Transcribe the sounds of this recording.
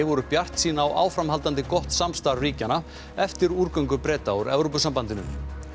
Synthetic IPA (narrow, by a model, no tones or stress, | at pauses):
ɪvɔɾʏpjar̥t̪siːnaːwʔa̰ːwfɾamɦalt̪ant̪ɪkɔht̪samst̪aɾviːcana | ɛft̪ɪɾuɾkœɥŋkʏpɾɛːt̪awɾɛvɾowpʏsampant̪ɪnʏm